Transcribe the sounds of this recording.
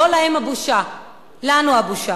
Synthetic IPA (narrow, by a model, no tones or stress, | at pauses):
ɔlaemabuʃa | lanuabuʃa